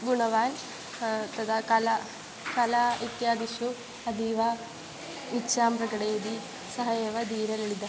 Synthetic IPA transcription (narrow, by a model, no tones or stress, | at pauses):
ɡuɳɐʋaːn | t̪ɐd̪akɐlɐ | kɐlait̪jaːd̪iʃu | ɐd̪iːʋɐ | itːʃaːmpɾɐɡɐɽejd̪i | sɐɦɐjeːʋɐd̪iːɾɐleɭid̪ɐ